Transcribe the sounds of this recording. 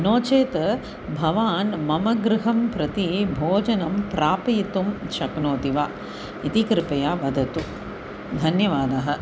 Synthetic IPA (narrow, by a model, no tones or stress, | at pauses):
noːt͡ʃeːt̪ɐ | bʱɐʋaːnmɐmɐɡɾɪɦɐmpɾɐt̪ibʱoːd͡ʒɐnɐmpɾaːpɐjit̪umʃɐknoːt̪iʋaː | it̪ikɾɪpɐjaːʋɐd̪ʱɐt̪u | d̪ʱɐnjɐʋaːd̪ɐɦɐ